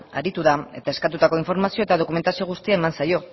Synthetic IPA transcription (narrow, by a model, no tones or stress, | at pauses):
a̰ɾit̪uðae̞̰t̪ae̞skat̪ut̪ako̞iɱfo̞ɾmasio̞t̪að̞o̞kume̞nt̪asio̞ɣ̞ust̪iae̞mansajo̞